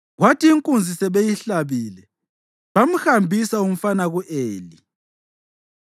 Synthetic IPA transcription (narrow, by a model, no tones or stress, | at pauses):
ɣwatʰiːŋkʼund͡zʱisɛβejiɬaβiːlɛ | βam̩hambʱisaum̩fanaɣuʔeːli